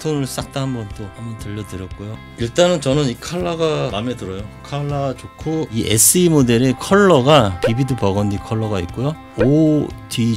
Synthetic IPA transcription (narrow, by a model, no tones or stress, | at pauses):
tʰoŋɯɭs͈ak̚t͈aɦambʌnt͈ohambʌntɯʎːʌdɯɾjʌt̚k͈ojo | iɭt͈anɯnt͡ɕʌnɯnikʰaɭːaɡamame̞dɯɾʌjokʰaɭːaɡat͡ɕokʰoiʔḛs͈ʰɯimode̞ɾe̞kʰʌɭːʌɡapibidupʌɡʌndikʰʌɭːʌɡaik͈ujo | odʰi